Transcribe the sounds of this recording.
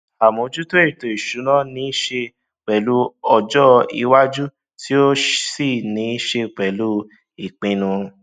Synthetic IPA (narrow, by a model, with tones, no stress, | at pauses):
a˨mõ˨˧˨d͡ʒu˦to˦e˦˨to˨i˨ʃu˨˦nã˦nĩ˨˦ʃe˧ | k͡pɛ˨lu˦ɔ˧d͡ʒɔ˦i˧wa˦d͡ʒu˦ | ti˦o˦si˦˨nĩ˨˦ʃe˧k͡pɛ˨lu˦ | i˨k͡pĩ˨˧nũ˧